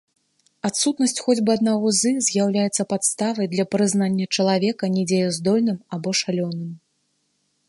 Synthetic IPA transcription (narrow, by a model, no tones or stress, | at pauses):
at̪sut̪nɐsʲt͡sʲxɔd͡zʲbɨɐd̪naɣɔzɨzʲjawlʲajɛt̪sɐpat̪st̪avɐjd̪lʲɐpɾɨznanʲːɐt͡ʂɐlˠavʲɛkɐnʲɛd͡zʲejɛzd̪ɔlʲnɨmabɔʂalʲɔnɨm